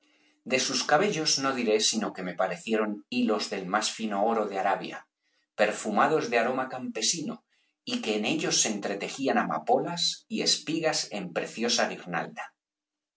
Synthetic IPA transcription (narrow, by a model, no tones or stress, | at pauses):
d̪e̞suskaβ̞e̞ʎo̞zno̞ðiɾe̞sino̞ke̞me̞paɾe̞θje̞ɾo̞nilo̞zðe̞lmasfino̞o̞ɾo̞ðe̞aɾaβ̞ja̰ | pe̞ɾfumað̞o̞zðeaɾo̞makampe̞sino̞̰ | ike̞ːne̞ʎo̞sːent̪ɾe̞t̪e̞xianama̰po̞lasie̞̰spiɣase̞̰mpɾe̞̰θjo̞saɣiɾna̰ld̪a